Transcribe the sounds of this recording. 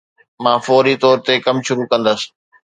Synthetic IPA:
mãːfɔːɾit̪ɔːɾt̪ekɐmʃʊɾukɐ̃nd̪əsɪ̥

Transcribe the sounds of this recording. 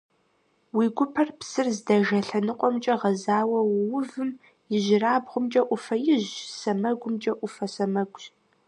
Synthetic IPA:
wiɡʷʊpʰɐrpsɨrzdɐʒɐɬɐnɨqʷʼɔmt͡ʃʼɐʁɐzaːwɐwwʊvɨm | jɪʒɪraːbʁʷʊmt͡ʃʼɐʔʷʊfɐjɪʑsɐmɐɡʷʊmt͡ʃʼɐʔʷʊfɐsɐmɐɡʷʼɕ

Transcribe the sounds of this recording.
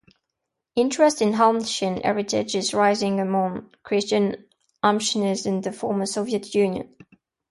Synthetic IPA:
ɪ̃nt͡ʃɹ̥ɛstɪ̃nɦɑlmʃə̃nɛ̰ɹɪtʰɪ̰d͡ʒɪzɹaɪzɪ̃ŋəmɒ̃ŋkʰɹ̥ɪst͡ʃə̃n | ʔɑmpʃənəzɪ̃nðəfɔːməsoʊviətʰjʉːnjə̰̃n

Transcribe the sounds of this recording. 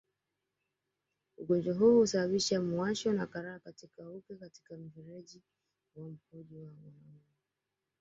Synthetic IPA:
uɠɔnd͡ʒwaɦuːhusaɓaɓiʃamuaʃɔnakaɾaːkatikaukɛkati̥kam̩viɾɛʄi | wam̩hɔʄiwawalɔn | a

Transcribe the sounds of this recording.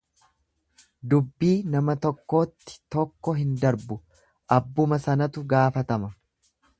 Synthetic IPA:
d̪ʊbːiːnɐmɐt̪ɔkːo̞ːt̪ːɪ̥t̪ɔkːɔɦɪnd̪ɐɾbʊ | ʔɐbːʊmɐsɐnɐt̪ʊɡaːfɐt̪ɐmɐ

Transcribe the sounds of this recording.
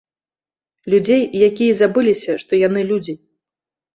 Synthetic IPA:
lʲud͡zʲejjakʲijɐzabɨlʲisʲɐʂt̪ɔjan̪ɨlʲud͡zʲi

